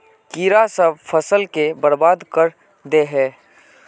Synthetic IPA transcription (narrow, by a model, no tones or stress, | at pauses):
kiːɾasəbpʰəsəlkebəɾbaːd̪kəɾ | d̪eɦɛː